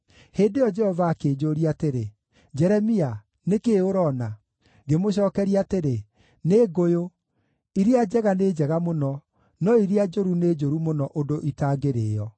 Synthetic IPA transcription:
heːndejɔd͡ʒɛhɔvaːkeːd͡ʒoɾiateɾe | d͡ʑɛɾɛmia | nekeoɾɔna | ɡemoɕ̬ɔːkɛɾiateɾe | neːɡojo | iɾiad͡ʑɛɣaneːd͡ʒɛɣamonɔ | nɔiɾiad͡ʒoɾuned͡ʒoɾumonɔʔodoʔitaːɡeɾeːɔ

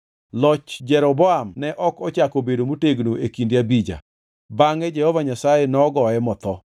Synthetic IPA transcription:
lɔt͡ʃd͡ʒɛɾɔbɔamnɛʔɔkɔt͡ʃakobedomuteɡnoekindjabid͡ʒa̰ | baŋɛd͡ʒɛhɔvaɲasajenɔɡɔɛmɔt̪ɔ

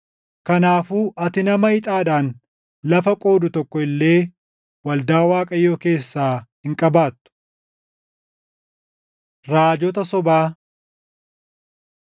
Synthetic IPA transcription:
kɐnaːfuːʔɐt̪ɪnɐmɐhɪt̪ʼaːᶑaːn | lɐfɐkʼo̞ːd̪ʊt̪ɔkːɔɪlːe̞ː | wɐld̪aːwaːkʼɐjːo̞ːke̞ːsːaːhɪŋkʼɐbaːt̪ːʊ̥ | ɾaːd͡ʒɔt̪ɐsɔbaː

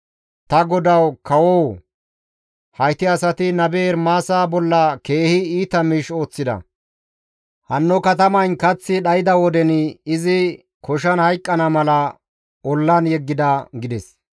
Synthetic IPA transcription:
t̪ɐɡɔd̪ɐwkɐwɔw | hɐjt̪ɪɐsɐt̪ɪnɐbeːɾmaːsaːbɔlːɐke̞ːhɪiːt̪ɐmiːʃo̞ːt͡sːɪd̪ɐ̰ | hɐnːɔkɐt̪ɐmɐjnkɐt͡sːɪɗɐjɪd̪ɐwɔd̪ɛnɪzɪ | kɔʃ̬ɐnhɐjkʼːɐnɐmɐlɐ | ʔɔlːɐnjɛɡːɪd̪ɐɡɪd̪ɛs

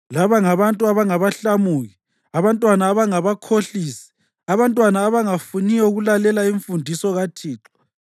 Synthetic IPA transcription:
laβaŋaβantʼuaβaŋaβaɬamuːɣi | aβantʼwanaːβaŋaβakʰoɬiːsi̥ | aβantʼwanaːβaŋafunijɔuɣulalɛlaiɱfundʱisɔɣatʰiːǁḁ

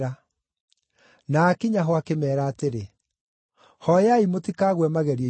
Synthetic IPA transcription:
a | nakiɲaɦɔakemɛːɾaːteɾe | hɔjaimotikaːɣwɛmaɣɛɾie

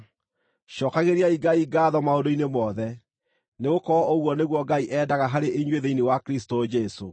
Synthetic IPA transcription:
ʃɔːkaɣeɾiaiɡaiɡaːðɔmaodoinemɔðɛ | neɣokɔɔʔoɣwɔneɣwɔɡaiʔɛːdaɣaɦaɾeʔeɲweðeinewakɾistod͡ʒɛso̰

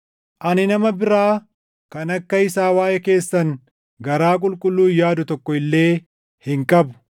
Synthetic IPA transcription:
ʔɐnɪnɐmɐbɪɾaː | kɐnɐkːɐɪsaːwaːjʔɛke̞ːsːɐŋ | ɡɐɾaːk̬ʼʊlkʼʊlːuːjaːd̪ʊt̪ɔkːɔɪlːe̞ː | hɪŋkʼɐbʊ̥

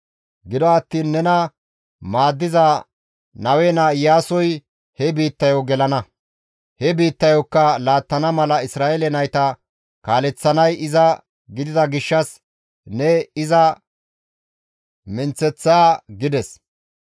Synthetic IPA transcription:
ɡɪd̪ɔɐt̪ːiːnːɛnɐ | maːd̪ːɪza | nɐwɛnaːɪjaːsɔj | hɛbiːt̪ːɐjoɡɛlɐnɐ | hɛbiːt̪ːɐjɔkːɐlaːt̪ːɐnɐmɐlɐɪsɾaːɛlɛnɐjt̪ɐ | kaːlɛt͡sːɐnɐjɪzɐ | ɡɪd̪ɪd̪ɐɡɪʃːɐs | nɛɪzɐ | mɪnt͡sːɛt͡sːaːɡɪd̪ɛs

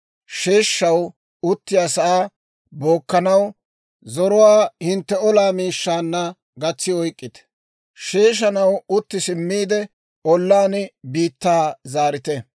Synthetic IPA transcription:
ʃeːʃːɐw | ʊt̪ːɪjaːsɐʔaː | bo̞ːkːɐnɐw | zɔɾɔwaːhɪnt̪ːɛɔlaːmiːʃːaːnːɐ | ɡɐt͡sːɪɔjkʼːɪt̪ɛ̥ | ʃe̞ːʃ̬ɐnɐwʊt̪ːɪsɪmːiːd̪ɛ | ɔlːaːnɪbiːt̪ːaːzaːɾɪt̪ɛ

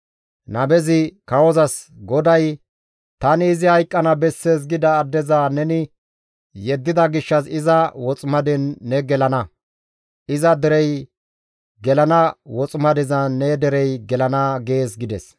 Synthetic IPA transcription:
nɐbɛzɪkɐwɔzɐsɡɔd̪ɐj | t̪ɐnɪːzɪhɐjkʼːɐnɐbɛsːeːs̬ɡɪd̪ɐːd̪ːɛzanɛnɪ | jɛd̪ːɪd̪ɐɡɪʃːɐsɪzɐwɔt͡sʼmɐd̪ɛnːɛɡɛlɐnɐ | ɪzɐd̪ɛɾɛj | ɡɛlɐnɐwɔt͡sʼmɐd̪ɛzɐnːɛd̪ɛɾɛjɡɛlɐnɐɡe̞ːsɡɪd̪ɛs

